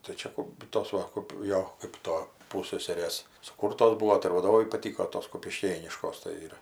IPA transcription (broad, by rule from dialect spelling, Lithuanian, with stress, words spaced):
tɐɪ ˈt͡ʃʲɛ kʊp ˈtoːs ʋɐ kɐp ˈjoː ˈkɜp toː ˈpuːsʲsʲɛsʲɛrʲeːs sʊˈkuːrtoːs ˈbuɔ tɐɪ ɪr ʋɐˈdoːʋɐɪ pɐˈtʲiːkoː ˈtoːs kʊpʲɪˈʃʲkʲeːnʲɪʃkoːs tɐɪ ˈɪr